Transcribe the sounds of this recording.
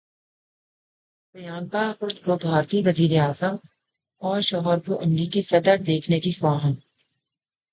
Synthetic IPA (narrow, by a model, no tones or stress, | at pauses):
pɐjaːnkaxʊt̪kobʱaːɾt̪iʋɐziːɾeaːzəm | ɔːɾʃɔːɦəɾkoʔɐmɾiːkisɐd̪əɾd̪eːkʰnekixʋaːɦən